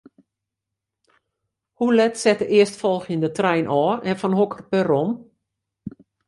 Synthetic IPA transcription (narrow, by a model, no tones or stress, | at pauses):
hulɛtsɛtəʔɪəstfɔlˠxəndətrɛjnʔɔːɛnfɔnɦokərpəɾom